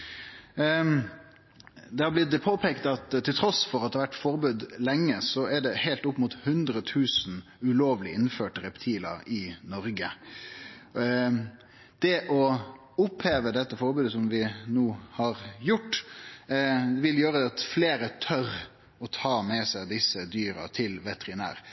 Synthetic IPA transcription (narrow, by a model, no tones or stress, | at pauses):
d̪ɛhɑɾblɪd̪pʰoːpʰeːkt̪ɑt̪ʰːɪlt̪ɾɔsfɔɾɑt̪d̪ɛhɑʋæʈːfɔɾbʉːd̪lɛŋːəsɔɛɖɛhæɪlt̪ʊpːmuːt̪hʉnd̪ɾət̪ʰʉːsn | ʉloːʋlɪɪnføːʈəɾɛpt̪ʰiːlɑ̰ɾɪnɔɾɡə | d̪̥ɛʔɔ | ʊpheːʋəd̪ɛt̪ːəfɔɾbʉːd̪əsɔmʋɪnuːhɑɾjʊʈː | ʋɪljøːɾəd̪ɛɑt̪fleːɾət̪ʰœɾ | ɔt̪ʰɑːmɛsæd̪ɪsəd̪yːɾɑ̰t̪ʰɪlʋɛt̪əɾɪnæ̰ːɾ